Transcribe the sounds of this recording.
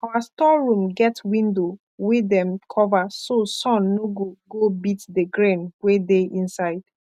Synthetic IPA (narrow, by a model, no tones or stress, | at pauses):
awastɔɹũmɡɛtwĩndo | widɛ̃mkʰɔvasosɔ̃nːoɡuɡobitdəɡɹẽnwedeʔĩnsaɪd̥